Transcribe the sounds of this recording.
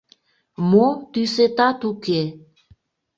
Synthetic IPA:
mot̪yset̪at̪uke

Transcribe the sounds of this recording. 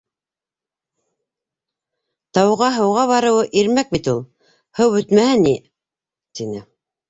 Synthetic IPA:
t̪ɑwʁɑɦɤ̆wʁɑβɑɾɤ̆wɤʔiɾmæk̚bit̪ulˠ | hɤwbɵ̆t̪mæhæni | t̪inɘ

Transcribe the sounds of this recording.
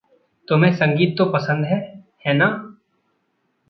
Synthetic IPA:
t̪ʊmɦẽːsə̃ŋɡiːt̪̚ːopɐsə̃nd̪ɦɛːhɛːnaː

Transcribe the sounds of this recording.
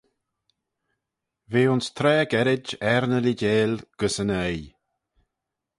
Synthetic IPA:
veːʊnst̪ʰɾɛːɡɛɾɪd͡ʒɛɾnəliɟeːlɡ̥əsənɛj

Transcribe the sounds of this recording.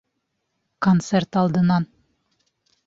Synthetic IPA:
kont̪sert̪ɑlˠd̪ɯnɑn

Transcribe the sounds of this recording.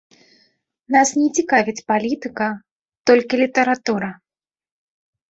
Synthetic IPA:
nasnʲɛt͡sʲikavʲit͡sʲpalʲit̪ɨkɐ | t̪ɔlʲkʲilʲit̪ɐɾat̪uɾɐ

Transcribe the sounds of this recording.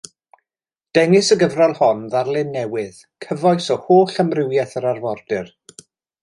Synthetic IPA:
d̥ɛŋɪsəɡəvralˠhɔnðarlˠɪnːɛwɪð̥ | kʰəvɔjsɔhoːɬəmrɪwjɛθəɾarvɔrdɨr

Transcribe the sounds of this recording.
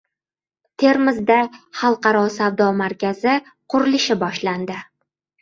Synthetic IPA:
t̪ʰe̞ɾmɪzd̪aχɑlˠqɑɾɒsavd̪ɒmaɾkʲazɪ | qʰʊɾɪlɪʃɪbɒʃland̪ɪ

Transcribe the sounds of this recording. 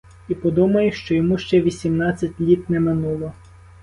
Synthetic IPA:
ipɔd̪umɐjʊʃt͡ʃɔjɔmuʃt͡ʃɛʋʲisʲimnɑt͡sʲːɐtʲlʲit̪nɛmɪnulˠɔ

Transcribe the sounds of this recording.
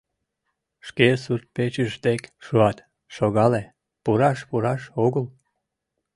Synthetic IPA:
ʃkesurt̪̚pet͡ɕəʃd̪ekʃuɑt̪ | ʃoɣɑle | puɾɑʃpuɾɑʃoɣəl

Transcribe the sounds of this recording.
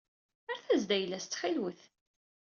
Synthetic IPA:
əɾθæzd̪æjlːæst͡s̪ːχilwəθ

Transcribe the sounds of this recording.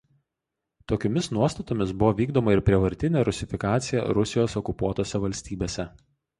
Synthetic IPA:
t̪oːkʲoːmʲɪsnuɔst̪ɐt̪oːmʲɪsbʊʋoːʋʲiːɡd̪oːmɐɪɾpʲɾʲiɛʋɐɾʲt̪ʲɪnʲɛɾʊsʲɪfʲɪkɑːt̪sʲɪjɛ̰ɾʊsʲɪjoːsɔkʊpuɔt̪oːsʲɛʋɐlʲsʲt̪ʲiːbʲeːsʲɛ

